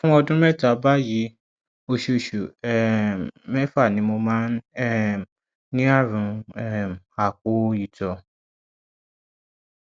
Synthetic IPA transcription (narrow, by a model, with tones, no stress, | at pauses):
fũ˦ɔ˧dũ˦mɛ˦˨ta˨˦ba˦ji˨˦ | o˧ʃu˨ʃu˨ɛ˨mɛ˦fa˦˨nĩ˨˧˦mo˧mãː˦nɛ˦ | nĩ˦a˦˨ɾũ˨˧ɛ˦˨a˨ko˨˦˧i˦˨tɔ˧